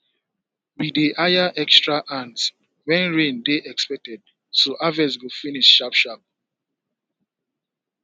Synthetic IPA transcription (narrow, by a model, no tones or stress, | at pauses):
wideʔajaʔɛkstɹaʔãnt | wɛ̃nɹẽndeʔɛkspɛk̚tɛd̚ | soʔavɛswilfiniʃʃapʃap̚